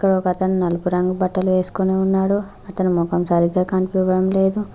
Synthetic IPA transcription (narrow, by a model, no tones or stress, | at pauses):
kːɐɽɐɔkɐɐt̪ɐnunɐlupuɾɐŋɡubɐʈːɐluʋe̞ːsu̥koneːunːaːɽu | ɐt̪ɐnumɔkɐmsɐːɾiɡaːkɐnpiʋɐɽɐmle̞ːd̪u